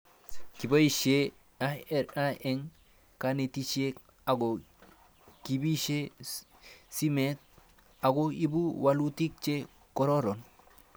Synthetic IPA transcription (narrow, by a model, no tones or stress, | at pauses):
kibaiʃe | aɾaʔeŋ | kanetit͡ʃe | aɡo | kibiʃe | simet̪̚ | aɡoibuwalutik̚t͡ʃe | kɔɾoɾɔn